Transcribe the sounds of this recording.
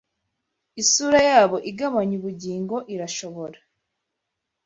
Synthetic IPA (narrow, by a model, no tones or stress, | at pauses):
isuːɾajaːβo̞ʔiɡaβaɲuβuɟiːŋɡo̞ʔiɾaʃo̞βo̞ɾa